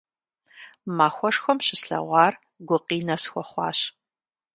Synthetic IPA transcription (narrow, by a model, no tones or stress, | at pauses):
maːxʷɔʂxʷɔmɕɪsɬɐ̰ʁʷɑːr | ɡʷʊqiːnɐsxʷɔχʷɑ̰ːɕ